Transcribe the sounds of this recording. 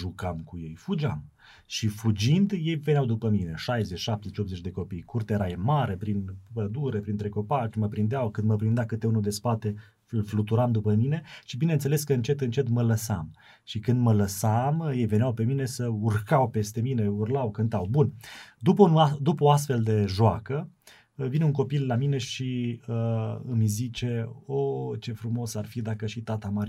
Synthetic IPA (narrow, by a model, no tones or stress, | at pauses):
ʒukamkuje̞̰jfud͡ʒam | ʃifud͡ʒind̪je̞jve̞neawd̪upəmine̞ʃajzet͡ʃʃap̚t̪ezet͡ʃopze̞t͡ʃʲd̪e̞ko̞pijkurt̪eɾajemaɾe̞pɾinpəd̪uɾe̞pɾint̪ɾe̞ko̞pat͡ʃməpɾind̪eawkɨnd̪məpɾind̪eakɨt̪e̞unud̪e̞spat̪e̞ | ɨlflut̪uɾamd̪upəmine̞ʃibinent̪seleskəɨnt͡ʃe̞t̪ɨnt͡ʃe̞t̪mələsa̰m | ʃikɨnd̪mələsamjejve̞neawpe̞mine̞səurkawpe̞st̪e̞mine̞urlawkɨnt̪awbunʲd̪upəunad̪upəoast̪fe̞ld̪e̞ʒoa̰kə | vinuŋko̞pilːamine̞ʃiəɨmzit͡ʃe̞ot͡ʃe̞fɾumo̞sarfid̪akəʃit̪at̪amaɾ